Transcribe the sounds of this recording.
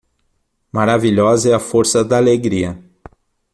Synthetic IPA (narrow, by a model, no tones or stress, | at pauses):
maɾaviʎɔzɐɛɐfoɾsɐd̪aaleɡɾiɐ